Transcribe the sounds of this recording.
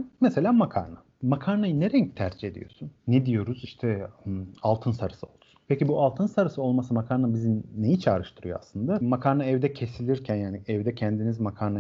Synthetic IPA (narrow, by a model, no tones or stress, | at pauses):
mese̞lʲaːmakʰa̰ɾna | makʰaɾnajɯneɾɛɲct̪ʰæɾd͡ʒie̞d̪ḭjo̞̰sunːɛd̪ijo̞ɾuz̥iʃt̪ʰɛ | alˠt̪ʰɯnsaɾɯsɯo̞lˠsunpʰecibualˠt̪ʰɯnsaɾɯsɯo̞lˠmasɯmakʰaɾnabizinejit͡ʃʰa̰ːɾɯʃt̪ʰɯɾɯjo̞̰a̰slˠɯnd̪amakʰaɾnaɛvd̪ɛcʰe̞silʲiɾcʰænjaːniɛvd̪ɛcʰɛnd̪inizmakʰaɾna